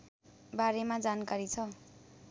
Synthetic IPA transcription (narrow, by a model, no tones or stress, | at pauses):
baɾemad͡zankaɾit͡sʰʌ